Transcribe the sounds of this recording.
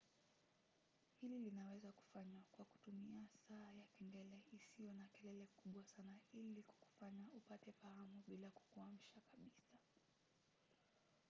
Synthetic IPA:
hililinawɛzaku̥faɲwakwaku̥tumiasaːjakindɛlɛisijɔnakɛlɛlɛkuɓwasanailikku̥faɲaupatɛfaamuɓilaku̥kuam̩ʃakaɓisa

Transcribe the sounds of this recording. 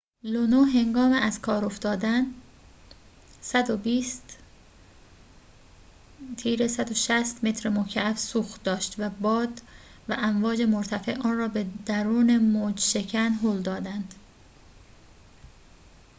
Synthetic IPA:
lonoɦe̞ŋɡɒːmeæzkʰɒːɾo̞ft̪ɒːd̪æn | sæd̪obiːst̪ | t̪ʰiːɾe̞sæd̪oʃæst̪me̞t̪ʰɾemocʰææfsuːxd̪ɒːʃt̪væbɒːd̪ | væʔæɱvɒːd͡ʒe̞moɾt̪ʰæfḛʔʔɒːnrɒːbe̞d̪æɾuːne̞mod͡ʒʃe̞cʰænɦoːld̪ɒːd̪ænd̪̥

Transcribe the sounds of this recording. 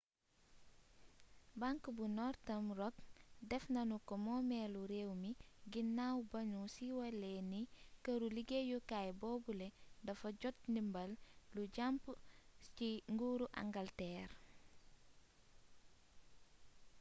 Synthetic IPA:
baŋkbunɔɾtɐmrɔkdɛfnɐnukɔmɔːmɛːluɾewmiɡinːawbɐɲusiwɐlɛnikɐɾuliɡejukajbɔːbulɛndɐfɐɟɔt̚nimbɐlluɟampciŋɡuːɾuʔa̰ŋɡɐltɛːɾ

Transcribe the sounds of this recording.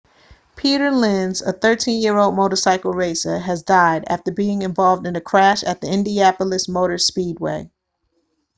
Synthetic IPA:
pʰiɾə˞lɪ̃nzə̰θɜ˞tʰĩnjɪɹoʊlˠd̚moʊɾə˞saɪkl̩ˠɹeɪsɨɨzdaɪɾæ̰ftə˞biɪ̃ŋɨ̃ɱvɑlˠvdɨ̃nɨkʰɹ̥æʃɨt̪̚ðiɪ̃ndiæpl̩ˠɨsmoʊɾə˞spid̚wḛɪ

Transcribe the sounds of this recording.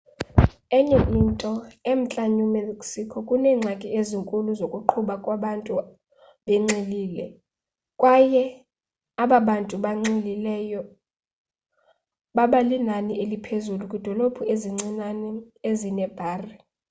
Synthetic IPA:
ɛɲeʔintʼɔem̩t͡ɬʼaɲumekʼsikʰɔkʼunɛːŋ͡ǁʱakʼieziŋkʼuluzokʼuǃʰuɓakʼwaɓantʼu | ɓɛŋ͡ǀiliːlɛ | kʼwajɛ | aɓaɓantʼuɓaŋ͡ǀililɛjɔ | ɓaɓalinaniʔelipʰezulukʼid̥ʱɔlobʰʱueziŋ͡ǀinanɛezinɛb̥ʱaːri

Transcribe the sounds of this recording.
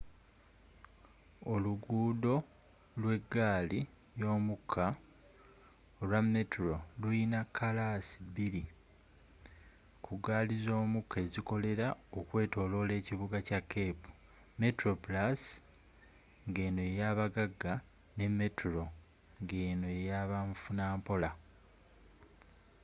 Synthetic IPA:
o̞luɡuːdo̞ | lwe̞ɡːaːli | jo̞ːmukʰːa | olwamːe̞tɾoluinakʰːalasi̥biɾi | kʰuɡaːlizo̞ːmukʰːe̞ziko̞le̞ɾaokwe̞ːto̞ːlo̞le̞ːciβuɡacakʰːe̞ːpu̥ | me̞tɾo̞pulas | ŋɡe̞ːno̞ejaːβaɡaɡːa | ne̞mːe̞tʰuɾo̞ | ŋɡeːno̞ejaβaɱfunaːmpo̞la

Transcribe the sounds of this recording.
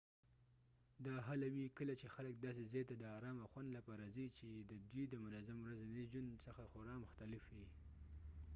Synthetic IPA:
d̪ɑɦalawikəlat͡ʃexalək̚d̪ɑs̬ezɑjt̪ad̪əɑɾɑmaxwand̪lapɑɾazit͡ʃed̪əd̪wid̪əmʊnazamwɾazened͡ʒansəxaxʊɾɑmʊxt̪alɪfwi

